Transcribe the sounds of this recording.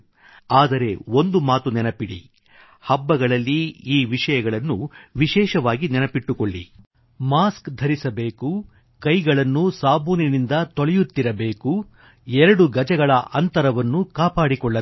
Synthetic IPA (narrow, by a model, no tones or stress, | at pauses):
aːd̪ɐɾe̞o̞nd̪umaːt̪unɛnɐpiɽḭ | hɐbːɐɡɐɭɐlːiiːʋiʂɐjɐɡɐɭɐnːuʋiʃɛːʃɐʋaːɡinɛnɐpiʈːukoɭːḭ | maːskd̪ʱɐɾisɐbe̞ːku | kɐjɡɐɭɐnːusaːbʱoːninind̪ɐt̪oɭɛjut̪ːiɾɐbe̞ːku | ɛɾɐɽuɡɐd͡ʒɐɡɐɭɐʔɐnt̪ɐɾɐʋɐnːukaːpaːɽikɔɭːɐ